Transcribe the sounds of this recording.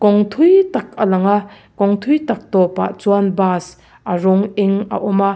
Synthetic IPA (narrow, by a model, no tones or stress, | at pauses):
kɔŋt̪ʰujtak̚ʰɐlaŋa | kɔŋt̪ʰujtak̚tɔpa̰t͡swanbas | aɾɔŋeŋɐ̰ʔɔmɐ